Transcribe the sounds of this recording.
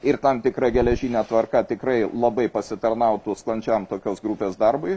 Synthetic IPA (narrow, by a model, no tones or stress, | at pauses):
ɪrt̪ɐmt̪ʲɪkɾɐɡʲɛlʲɛʒʲiːnʲæːt̪ʋɐrkɐt̪ʲɪkɾɐɪlˠɐbɐɪpɐsʲɪt̪ɐrnɐʊt̪uːsklˠɐnʲt͡ʃʲɛmt̪oːkʲoːsɡɾupʲeːsd̪ɐrbʊɪ